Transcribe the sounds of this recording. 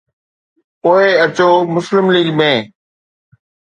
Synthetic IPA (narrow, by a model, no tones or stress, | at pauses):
oːeət͡ɕoːmʊslɪmliːɡmẽː